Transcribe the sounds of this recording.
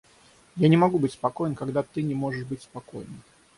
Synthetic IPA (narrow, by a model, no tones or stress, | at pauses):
janʲɪmɐɡubɨtʲspɐko̞jɪnkɐɡd̪at̪ɨnʲɪmo̞ʐɨʂbɨtʲspɐko̞̰jn